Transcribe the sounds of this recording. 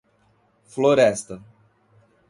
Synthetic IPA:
floɾɛst̪ə

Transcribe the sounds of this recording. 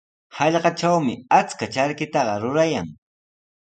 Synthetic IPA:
hɑʎɢɑt͡ʃawmɪat͡skat͡ʃaɾkɪt̪ɑɢɑɾʊɾajaŋ

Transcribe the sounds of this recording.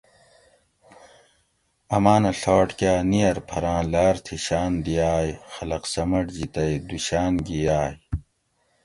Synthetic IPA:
ɐmaːnɐɬaːʈkʲaːnijɐɾpʰɐɾãːlaːɾt̪ʰiɕaːnd̪ijaːjxɐlɐqsɐmɐʈd͡ʑit̪ɐjd̪uɕaːnɡijaːj

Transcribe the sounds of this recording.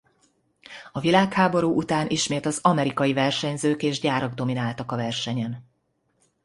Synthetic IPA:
ɒvilaːkhaːbo̞ɾuːʔut̪aːnʔiʃmeːt̪ɒzɒmɛɾikɒjivɛrʃɛɲzøːkeːʒɟaːɾɒɡd̪o̞minaːlt̪ɒkɒvɛrʃɛɲɛn

